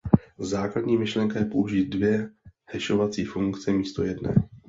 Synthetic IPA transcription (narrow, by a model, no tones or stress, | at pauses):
zaːkladɲiːmɪʃlɛŋkajɛpo̞uʒiːt̪̚dvjɛhɛʃo̞vat͡siːfuŋkt͡sɛmiːst̪o̞̰jɛdnɛ̰ː